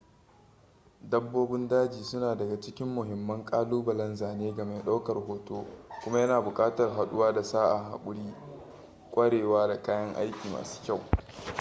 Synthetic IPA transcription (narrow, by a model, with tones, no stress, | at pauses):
dɐ˦bːoː˦bɪ˦ndaː˦d͡ʒiː˨sʊ˦naː˨dɐ˨ɡa˨t͡ʃɪ˦kʲɪ˦mːʊ˨ɦɪ˨mːɐ˦ŋkʼaː˦luː˦bɐ˨lɐ˦nzaː˨neː˦ɡɐ˨ma˨jɗa˦wkɐ˨rhoː˨toː˦kʷʊ˦ma˦jɐ˦naː˨bʊ˨kʼaː˦tɐ˨rɦa˨ɗʊ˦waː˦da˨saː˦ʔa˨ɦa̰˨kʷʼʊ˦ɽiː˦ | kʷʼɐ˦ɽeː˨waː˦da˨kaː˦jɐ˦ŋʔa̰˦jkʲiː˨mʔa̰ː˨su̥ː˦kʲa˦˨w